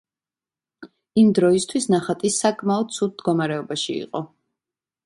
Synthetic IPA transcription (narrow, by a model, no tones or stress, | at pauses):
imd̪ɾɔist̪ʰwisnaχat̪ʼisakʼmaɔd̪̥̚t̪sʰud̪̚d̪ɡɔmaɾɛɔbaʃiḭqʼɔ